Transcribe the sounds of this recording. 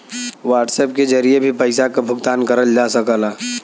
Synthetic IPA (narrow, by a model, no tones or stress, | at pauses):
ʋaːʈseːp̚ked͡ʒɐɾiebʱipɐɪsakabʱʊɡt̪aːnkɐɾəld͡ʒaːsɐkalaː